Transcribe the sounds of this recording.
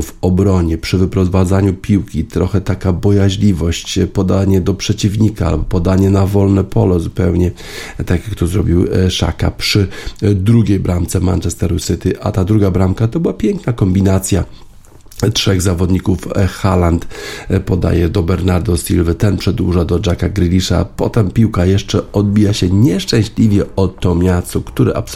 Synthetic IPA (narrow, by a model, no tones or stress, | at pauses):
vɔbɾɔɲɛpʂɘvɘpɾɔvad̪zaɲupʲiwkʲit̪ɾɔxɛt̪akabɔjaʑlʲivɔɕt͡ɕpɔd̪aɲɛd̪ɔpʂɛt͡ɕivɲikaa̰lbɔpɔd̪aɲɛnavɔlnɛpʰɔlɛzupɛwɲɛ | t̪akjak̚t̪ɔzɾɔbʲiwʂa̰ka̰pʂɘd̪ɾuɡʲejbɾamt̪sɛma̰nt͡ʂɛst̪ɛɾusɘt̪ɘʔat̪ad̪ɾuɡabɾamkat̪ɔbɘwapʲjɛŋknakɔmbʲinat̪sʲja | tʂɛɣzavɔd̪ɲikufxalant̪pɔd̪a̰jɛd̪ɔbɛɾnaɾd̪ɔsʲilvɘt̪ɛnpʂɛd̪wuʐad̪ɔd͡ʐakaɡɾɘlʲiʂa̰pɔt̪ɛmpʲiwkajɛʂt͡ʂɛɔd̪̚bʲijaɕɛɲɛʂt͡ʂɛ̃w̃ɕlʲivʲjɛɔt̪ːɔmʲjast̪ɔkt̪uɾɛ̰ʔa̰p